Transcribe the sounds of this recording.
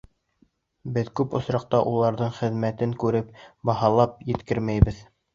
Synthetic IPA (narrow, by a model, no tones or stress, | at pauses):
bɘðkʉpŏsɾɑq̚t̪ɑʔulˠɑɾðɤɴχɘ̆ðmæt̪ɘŋkʉɾɘpbɑɦɑlˠɑp̚jɘ̆t̪kɘɾmæjbɘð